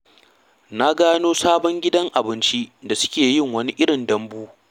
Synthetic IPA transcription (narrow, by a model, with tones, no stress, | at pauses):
na˦ɡaː˦noː˦saː˦bɔ˦ŋɡʲɪ˦dɐ˦ŋʔa˨bɪ˦nt͡ʃi˦da˨sʊ̥˦kʲeː˨jɪ˦˨ŋwɐ˦ni˦ʔɪ˦ɽɪ˨ndɐ˦mbuː˦